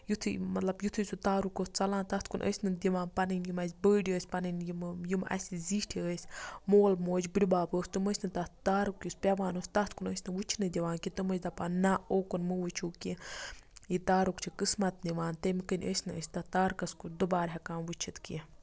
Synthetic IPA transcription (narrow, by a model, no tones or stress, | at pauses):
jut̪ʰɨmɐt̪lɐbjut̪ʰɨsut̪aːɾukost͡sɐlãːnt̪ɐt̪ʰkunʔə̰ːsʲnɨd̪ʲiʋaːnpɐnɨnjimɐsʲbəːɖəːsʲpɐnɨnjimjumɐ̰sʲiziːʈʰiəːsʲmoːlmoːd͡ʒbɨɽʲibaːpəːsʲt̪ɨməsʲnɨt̪ɐt̪aːɾukjusʲpʲɛʋaːnoːsʲt̪ɐt̪ʰkunəsʲnɨʋut͡ʃʰinɨd̪ʲiʋãːnkit̪ɨməzʲd̪apanːaoːkunmɨʋut͡ʃʰuːki | jit̪aːɾukt͡ʃʰikɨsmɐt̪̚d̪iʋaːnt̪emikənʲʔəsʲnɨə̰sʲt̪ɐt̪aːɾkɐskud̪ubaːɾʲɦʲɛkaːnʋut͡ʃʰit̪kḭ